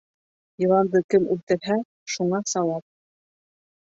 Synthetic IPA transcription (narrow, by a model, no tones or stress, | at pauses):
jɤ̆lˠɑnd̪ɤkɘmʉlt̪ɘ̆ɾɦæ | ʃuɴɑsɑlˠɑp̚